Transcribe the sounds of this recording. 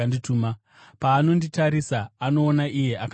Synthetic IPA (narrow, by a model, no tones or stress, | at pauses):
ndituːma | paːno̞nditaɾisaːno̞ːnaʔije̞ʔak